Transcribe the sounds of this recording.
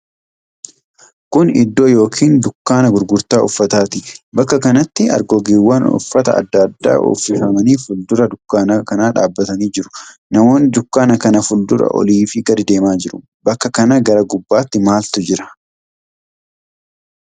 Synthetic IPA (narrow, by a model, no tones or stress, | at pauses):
kʊnɪ̰d̪ːoːjo̞ːkʰiːnd̪ʊkːaːnɐɡʊɾɡʊɾt̪aːʔʊfːɐt̪aːt̪ɪbɐkːɐkɐnɐt̪ːɪɐ̰ɾɡoːɡiːwːɐnʊ̰fːɐt̪ɐ̰ɐ̰d̪ːɐd̪ːa̰ːʔo̰fːɪfɐmɐniːfʊld̪ʊɾɐd̪ʊkːaːnɐkɐnaːᶑa̰ːbːɐt̪ɐniːd͡ʒɪɾʊ̥nɐmo̞ːnɪd̪ʊkːaːnɐkɐnɐfʊld̪ʊɾɐ̰ʔɔ̰liːfɪɡɐd̪ɪd̪e̞ːmaːd͡ʒɪɾʊ̥ | bɐkːɐkɐnɐɡɐɾɐɡʊbːaːt̪ːɪmaːlt̪ʊd͡ʒɪɾɐ̥